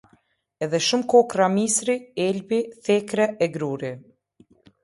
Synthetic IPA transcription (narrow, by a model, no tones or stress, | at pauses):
ɛðɛʃumkɔkramisɾiɛlbiθɛkɾɛɛɡɾuɾi